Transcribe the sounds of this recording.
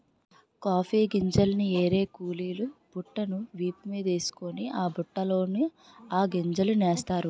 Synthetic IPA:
kaːpʰiːɡiɲd͡ʒɐlnieːɾe̞ːkuːliːlub̥uʈːɐnuʋiːpɐmiːd̪ɐeːsu̥koniaːbuʈːɐlo̞ːni | aːɡiɲd͡ʒɐlunɛːst̪aːɾu

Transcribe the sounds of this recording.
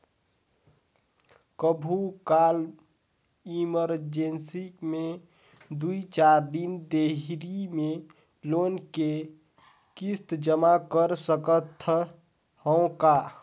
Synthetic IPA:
kəbʱukal | iməɾd͡ʒensime | d̪uit͡ʃaɾd̪ind̪eɦɾime | lonke | kist̪d͡ʒəmakəɾsəkət̪ʰː | hɔ̃ka

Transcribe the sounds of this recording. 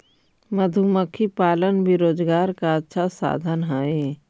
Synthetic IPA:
məd̪ʱuməkʰipaːlənbiɾoːd͡ʒɡaːɾkaətːʃʰasa̰ːd̪ʱənɦaːe

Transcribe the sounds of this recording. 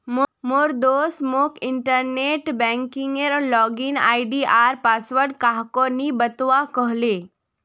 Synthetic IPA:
mmoɾd̪osmokiɳʈəɾneʈbɛ̃ŋkiŋɡeɾlɔɡina̰iɖiʔaɾpasʋəɾɖkaɦkonibət̪ʋakəɦle

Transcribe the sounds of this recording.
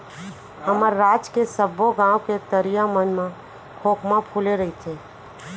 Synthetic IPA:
həməɾːaːd͡ʒkesəboɡãːwket̪əɾijãmənmã | kʰoːkmãpʰuleɾəit͡ʃʰeː

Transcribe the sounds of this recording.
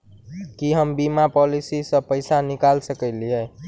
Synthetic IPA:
kiɦəmbimapɔlisisə̃pəjsanikalsəkəɪliɦɛ

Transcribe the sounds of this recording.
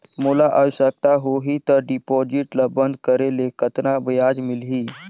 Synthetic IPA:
molaʔəwɕjək̚t̪aɦoɦit̪əɾɖipɔd͡ʑiʈlabənd̪kəɾelekət̪naʋəjad͡ʒmilɦiː

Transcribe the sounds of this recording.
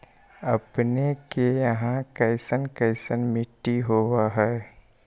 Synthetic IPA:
ɐpnekejɐɦãkɐɪsənkəɪsənmɪʈːiɦoːwaɦɛː

